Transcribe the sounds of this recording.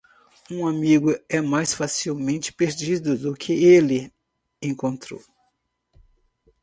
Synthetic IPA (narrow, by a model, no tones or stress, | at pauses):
ũamiɡʊɛmajsfasiwmẽnt͡ʃɪ̥peɾd͡ʒid̪ʊd̪ʊkʰɪelɪ | ẽŋkõnt̪ɾo̰w